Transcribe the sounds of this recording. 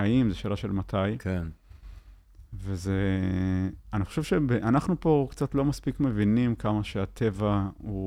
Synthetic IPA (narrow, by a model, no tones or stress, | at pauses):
aimzeʃelaʃelmat̪ʰajken | veze | aniχoʃevʃebeʔanaχnupo̞kt͡sat̪lo̞maspikme̞vinimkamaʃeat̪ʰe̞vau